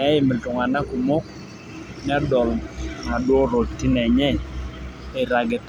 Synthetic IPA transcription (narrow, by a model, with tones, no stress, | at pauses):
ɛ˦ɪ˨mɪ˨ltʊ˨ŋa˨na˦ku˨mo˦k̚ | n˦a˦dɔ˨lna˨dwɔ˦ɾo˨ti˦nɛ˨ɲɛ˦ | ɛ˨ɾa˨ɡɛ˨t